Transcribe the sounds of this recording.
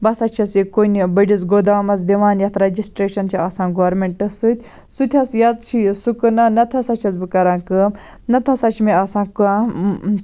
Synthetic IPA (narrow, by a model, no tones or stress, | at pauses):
bɐsɐtt͡ʃʰɐt͡sikonibɐɖʲit͡sɡod̪amɐt͡sd̪iʋaːnjɐt̪ʰɾɐd͡ʒisʈɾeːʃɐnt͡ʃʰiɐsãːnɡoɾmeɳʈʈɐsɨt̪ʲ | sut̪ʲʰɐt͡sjɐt͡st͡ʃʰijsukɨnɐnɐt̪ʰɐsɐt͡ʃʰɐt͡sbɨkɐɾãːkəm | nɐt̪ʰɐsat͡ʃʰimiɐsãːka